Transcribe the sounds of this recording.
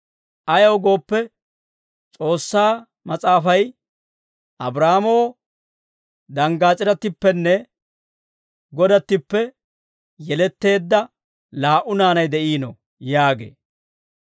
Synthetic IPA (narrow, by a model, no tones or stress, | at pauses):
ʔɐjɐwɡo̞ːpːɛ | t͡sʼo̞ːsːaː | mɐt͡sʼaːfɐj | ʔɐbɾaːmo | d̪ɐŋɡaːt͡sʼɪɾɐt̪ːɪpːɛnːɛ | ɡɔd̪ɐt̪ːɪpːɛ | jɛlɛt̪ːe̞ːd̪ːɐ | laːʔʊnaːnɐjd̪ɛʔiːnɔ̰ | jaːɡḛː